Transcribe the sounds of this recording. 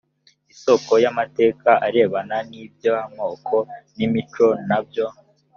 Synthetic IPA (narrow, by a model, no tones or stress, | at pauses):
iso̞ko̞jamate̞ːkaʔaɾe̞ːβananiːbjo̞hamŋo̞ːkʰo̞nimit͡ʃo̞nabjo̞